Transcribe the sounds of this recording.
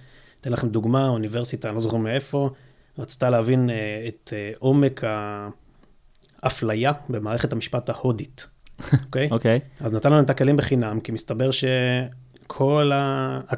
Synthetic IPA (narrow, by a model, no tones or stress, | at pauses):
t̪e̞nlaχe̞md̪uɡmaunive̞ʁsitanozoχemee̞fo̞ | ʁat͡si̥t̪aleavinet̪eʔo̞me̞kʰa | flajabe̞maːʁe̞χethamiʃpataho̞ditokejokejaznatanlaemt̪akelimbeχinamkimist̪abeʁʃe | kʰo̞la